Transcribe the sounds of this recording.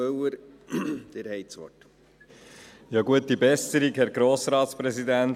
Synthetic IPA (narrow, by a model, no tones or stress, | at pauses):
œwəɾ | d̪̥eɾhɛɪsʋɔ̰t | jɑːɡuətːibɛsəɾikhɛɾɡɾoːsɾɑːt̪spɾɛsid̪ænt